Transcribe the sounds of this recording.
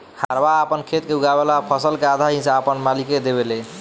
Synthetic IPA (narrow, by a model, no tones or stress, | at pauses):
hʰaɾbaəpənkʰet̪keuɡaβelapʰəsəlkead̪ʱaɦĩsaəpənmaliked̪eβele